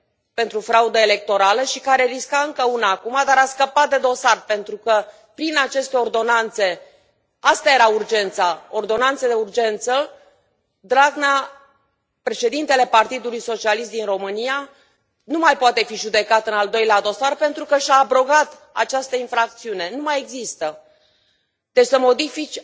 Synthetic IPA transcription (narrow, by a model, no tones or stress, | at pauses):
pe̞nt̪ɾufɾaud̪əele̞k̚t̪o̞ɾaləʃikaɾe̞ɾiskaɨŋkəunaːkumad̪aɾaskəpat̪̚d̪e̞d̪o̞sarpe̞nt̪ɾukə | pɾinat͡ʃe̞st̪e̞o̞rd̪o̞nant̪se̞ | ast̪aje̞ɾaurd͡ʒe̞nt̪sao̞rd̪o̞nant̪səd̪e̞urd͡ʒe̞nt̪sə | d̪ɾaɡna | pɾe̞ʃe̞d̪int̪e̞le̞part̪id̪ulujso̞t͡ʃialis̬t̪d̪inro̞mɨnija | numajpoat̪e̞fiʒud̪e̞kat̪ɨnald̪o̞jlead̪o̞sarpe̞nt̪ɾukəʃaːbɾo̞ɡat̪ | a̰t͡ʃast̪əinfɾak̚t̪siune̞numaje̞ɡzist̪ə | d̪̥e̞t͡ʃsəmo̞d̪ifit͡ʃʲ